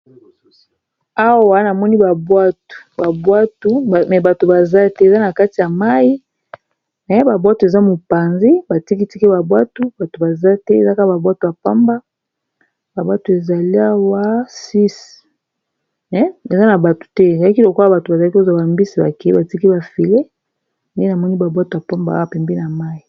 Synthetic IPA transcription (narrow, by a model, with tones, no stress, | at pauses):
a˦wwa˦na˨mɔ˦ni˦ba˨bwa˦tu̥˨ba˨bwa˦tu˦˨mɛ˨ba˨to˨ba˨za˦tɛ˦e˨za˦na˨ka˦ti˨ja˨ma˦i˦ | ɛ˦ba˨bwa˦tu˨e˨za˦mo˨pa˨nze˦ba˨ti˦ki˦ti˦ki˦ba˨bwa˦tu˦ba˨to˨ba˨za˦tɛ˦e˨za˦ka˦a˦ba˨bwa˦tu˨a˨pa˦mba˦ | ba˨bwa˦tu˨e˨za˨li˦a˦wa˦si˦s | ɛ˦e˨za˦na˨ba˨to̥˨tɛ˦˨za˨la˦ki˦lo˨ko˦a˨ba˨to˨ba˨za˨la˦ki˦o˦za˨ba˨mbi˦si˨ba˨kɛ˨i˦ba˨ti˦ki˦ba˨fi˨le˦ | nde˦na˨mɔ˦ni˦ba˨bwa˦tu˨a˨pa˦mba̰˨˦a˨pɛ˨mbe˦na˨ma˦i˨